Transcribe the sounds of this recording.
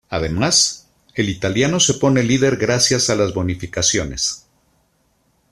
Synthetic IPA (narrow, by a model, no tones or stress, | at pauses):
aðe̞mas | e̞lit̪aljano̞se̞po̞ne̞liðe̞ɾɣɾasjasalazβo̞nifikasjo̞ne̞̰s